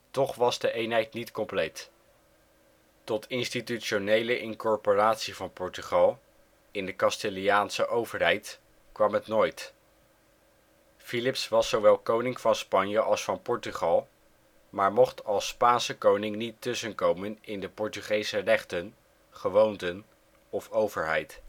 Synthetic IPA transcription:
tɔχʋɑzdəʔejnɦɛjtnitkɔmplejt | tɔtʰɪnstityʃonejləʔɪnkɔɹporaːtsivɑnpɔɹtyχɑlˠ | ɪndəkɑstɪlijaːnsəʔowvəɹɦɛjt | kʋɑmɦətnoːjt | filɪpsʋɑsːowʋɛlˠkownɪŋvɑnspɑnjəʔɑlˠsfɑnpɔɹtyχɑlˠ | maːɹmɔχtɑlˠspaːnsəkownɪŋnitɵsənkowmənɪndəpɔɹtyχejsərɛχtən | χəʋowntən | ɔfowvəɹɦɛ̰jt

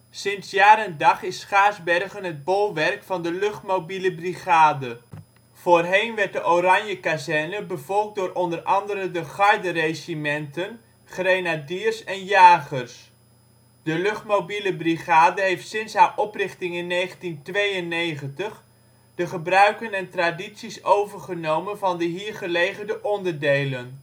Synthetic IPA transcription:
sɪnsjaːɾəndɑχɪsχaːzbɛrχənɦəd̚bolˠʋɛrkfɑndəlɵχtmowbiləbriχaːdə | v̥oːrɦejnʋɛɹt̚dəʔorɑɲjəkazɛrnəbəvɔlˠk̚dʊːɾʔɔndərʔɑndəɾədəχɑɹdərejzimɛntən | χrejnadiːrsɛnjaːχərs | d̥əlɵχtmobiləbriχaːdəɦejftsɪnsɦaːɹʔɔprɪχtɪŋɪnːejχəntintʋejənːejχəntəχ | d̥əχəbrœɥkənɛntraditsisowvəɹχənowmənvɑndəɦiːɹχəlejχərdəʔɔndəɹdejlən

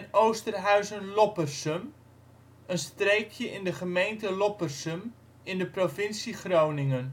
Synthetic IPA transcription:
nowstərɦœɥzənlɔpərsəm | ənstrejkʰjəʔɪndəχəmejntəlɔpərsəm | ɪndəprofɪnsiχrownɪŋən

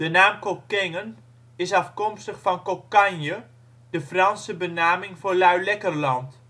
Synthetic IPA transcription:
d̥ənaːmkokɪŋən | ɪsɑfkɔmstəχfɑnkokanjə | d̥əfrɑnsəbənaːmɪŋfoːɹlœɥlɛkərlɑnt

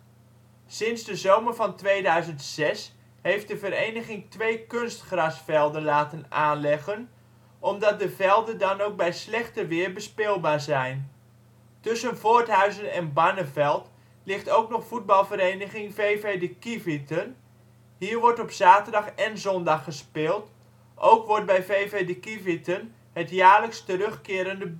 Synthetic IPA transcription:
sɪnzdəzowməɹvɑntʋejdœɥzəntsɛs | ɦejft̚dəvəɾejnəχɪŋtʋejkɵnstχrɑsfɛlˠdənlaːtənaːnlɛχən | ʔɔmdɑt̚dəvɛlˠdədɑnowk̚bɛjslɛχtəʋɪːɹbəspɪlˠbaːɹzɛjn | tʏsənvoːɹtɦœɥzənɛnbanəvɛlˠt | lɪxtowknɔχfud̚bɑlˠvəɾejnəɣɪŋveːvedəkivitən | hiːɹʋɔɹtɔpsaːtərdɑχɛnzɔndɑχːəspɪːlˠt | ʔowkʋɔɹt̚bɛjveːvedəkivitən | hətjaːrləkstəɾɵχkɪːɾəndəb

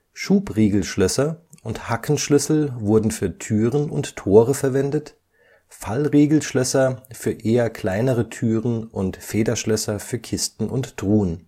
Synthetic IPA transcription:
ʃuːpʁeːɡl̩ʃlœsɐʔʊnthakʰn̩ʃlʏsl̩vʊɐdn̩fyːɐtʰyːʁənʊnttʰoːʁəfɛɐvɛndət | falʁeːɡl̩ʃlœsɐfyːɐʔeːɐkʰl̥aɪnəʁətʰyːʁənʔʊntfeːdɐʃlœsɐfyːɐkʰɪstn̩ʔʊntd̥ʁuːən

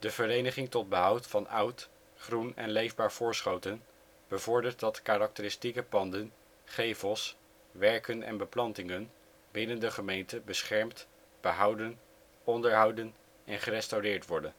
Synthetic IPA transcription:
d̥əvəɾejnəχɪŋtɔd̚bəɦʌwtfɑnʌwt | χrunɛ̰nlejvbaːɹv̥ʊːɹsχowtən | b̥əvɔɹdəɹt̚dɑtkaːɾɑk̚təɾɪstikəpɑndən | χejvəlˠs | ʋɛɹkənɛ̰nbəplɑntɪŋən | bɪnəndəχəmejntəbəsχɛɹmt | b̥əɦʌwdən | ɔndəɹɦʌwdən | ɛnχərɛstawrɪːɹtʋɔɹdən

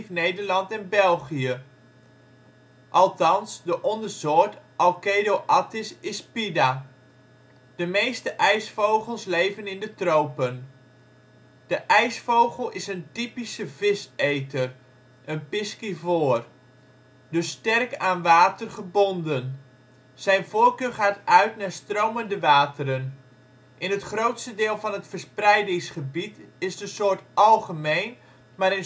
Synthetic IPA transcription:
fnejdəɹlɑntɛnbɛlˠχijə | ʔɑlˠtɑnsdəʔɔndərzʊːtʔɑlˠkejdoʔɑtɪsɪspida | d̥əmejstəʔɛjsfowχəlˠslejvənɪndətrowpən | d̥əʔɛjsfowχəlˠɪsəntipisəvɪsejtər | ʔənpɪskivoːr | dɵstɛrkaːnʋaːtərχəbɔndən | z̥ɛjnvoːrkøːɹχaːtœɥtnaːɹstrowməndəʋaːtəɾən | ʔɪnɦətχrowtstədɪːlˠvɑnɦətfəɹsprɛjdɪŋsχəbitɪzdəsʊːɹtɑlˠχəmejn | maːɾən

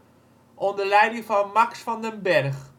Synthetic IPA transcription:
ʔɔndəlɛjdɪŋvɑnmɑksfɑndənbɛrχ

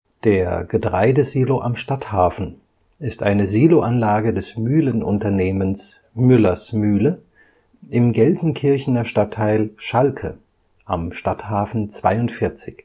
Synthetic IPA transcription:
d̥eːɐɡ̥ədʁaɪdəziːloʔa̰mʃtathaːfn̩ | ɪstʔa̰ɪnəziːloʔanlaːɡədɛsmyːlənʔʊ̰ntɐneːməns | mʏlɐsmyːlə | ʔɪmɡɛlzn̩kʰɪɐçn̩ɐʃtatʰːaɪlʃalkʰə̰ | ʔa̰mʃtathaːfn̩t͡sv̥a̰ɪʊntfɪɐt͡sɪç

